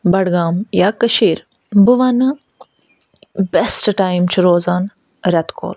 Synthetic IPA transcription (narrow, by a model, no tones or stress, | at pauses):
bɐɽɡaːmjaːkɐʃiːɾ | bɨʋɐnɨ | besʈʈaːjmt͡ʃʰiɾoːzaːn | ɾɐt̪kʰo̰ːl